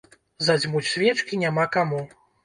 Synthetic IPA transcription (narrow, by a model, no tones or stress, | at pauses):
zad͡zʲmut͡sʲsʲvʲɛt͡ʂkʲinʲamakamu